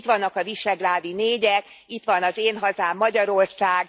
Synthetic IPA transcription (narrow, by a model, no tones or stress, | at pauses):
t̪ʋɒnːɒkɒviʃɛɡlaːd̪ineːɟɛk | it̪ʋɒnɒzeːnɦɒzaːmːɒɟɒɾo̞rsaːɡ